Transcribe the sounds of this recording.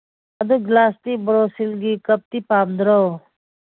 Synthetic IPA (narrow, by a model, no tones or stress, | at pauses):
ɐd̪uɡlaːst̪ibɾoːsilɡikɐp̚t̪ipaːmd̪ɾo